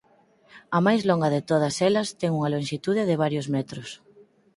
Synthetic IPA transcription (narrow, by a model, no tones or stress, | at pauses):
ɐmajzloŋɡɐðet̪oð̞ɐsɛlɐst̪ɛŋuŋɐloŋʃit̪uð̞ɪðɪβ̞aɾjozmɛt̪ɾʊs